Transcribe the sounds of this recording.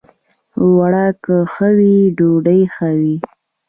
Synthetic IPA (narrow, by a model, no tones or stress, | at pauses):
waɽakəxəwiɖoɖəjxəwi